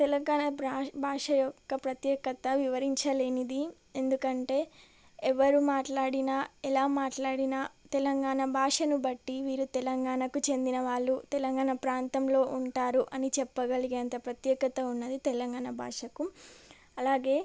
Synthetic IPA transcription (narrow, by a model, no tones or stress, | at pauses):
t̪ɛlɐŋɡaːɳɐabʱaːʂɐjɔkːɐpɾɐt̪jɛːkɐt̪ɐʋiʋɐɾiɲt͡ʃɐleːnid̪i | end̪ukɐɳʈe̞ː | ɛʋɐɾumaːʈlaːɽinaɛlaːmaːʈlaːɽinɐt̪ɛlɐŋɡaːɳɐbʱaːʂɐnubɐʈːiʋiːɾut̪ɛlɐŋɡaːɳɐkut͡ʃe̞nd̪inɐʋaːɭːut̪ɛlɐŋɡaːɳɐpɾaːnt̪ɐmlo̞ːʔuɳʈaːɾuʔɐnit͡ʃɛpːɐɡɐliɡeːnt̪ɐpɾɐt̪jɛːkɐt̪ɐunːɐd̪it̪ɛlɐŋɡaːɳɐbʱa̰ːʂɐku | ɐlaːɡe̞ː